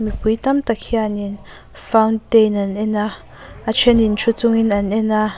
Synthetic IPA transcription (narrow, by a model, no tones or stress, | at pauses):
miput̪amt̪akʰianin | fantenanɛna | at͡ʃʰɛnint͡ʃʰut͡suŋinanɛna